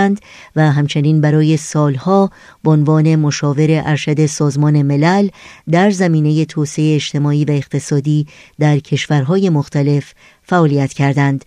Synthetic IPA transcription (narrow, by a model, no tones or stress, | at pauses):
nd̪ | væɦæmt͡ʃʰe̞niːnbæɾɒːje̞sɒːlhɒː | b̥eonvɒːne̞moʃɒːve̞ɾe̞ʔæɾʃæd̪e̞sɒːzmɒːne̞me̞læld̪æɾzæmiːne̞je̞t̪ʰoːseeːt͡ʃt̪ʰe̞mɒːiːvæe̞ɣt̪ʰe̞sɒːd̪iːd̪æɾcʰe̞ʃvæɾɦɒːje̞moxt̪ʰæle̞f | fæɒːlijæt̪cʰæɾd̪ænd̪̥